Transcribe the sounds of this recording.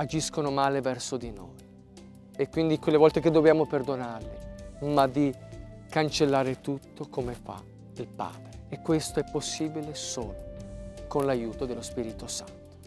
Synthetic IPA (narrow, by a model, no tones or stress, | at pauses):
ad͡ʒiskonomaːlevɛrsod̪ino̰j | ekːwind̪ikwelːevɔlt̪eked̪ːobjaːmoperd̪onarlimad̪i | kant͡ʃelːaːɾet̪ut̪ːokomefa̰ | ilpa̰ːd̪ɾeːkːwest̪oɛpːosːiːbilesoːlokonlajuːt̪od̪elːospiːɾit̪osa̰nt̪o̥